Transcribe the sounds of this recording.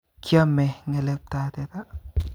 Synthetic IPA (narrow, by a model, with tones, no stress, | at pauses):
kʰja˦mɛ˨ŋe˨lɛ˨p̚t̪a˨t̪ɛ˨t̪a˦